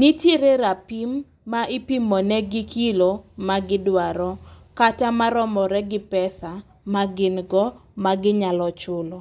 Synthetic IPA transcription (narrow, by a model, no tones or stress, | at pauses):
nitjeɾeɾapimː | aɪpimɔnɛɡɪkʰilomaɡɪdwaɾɔkatamaɾɔmɔɾɛɡɪpɛsa | maɡɪnɡɔmaɡɪɲalɔt͡ʃʊlɔ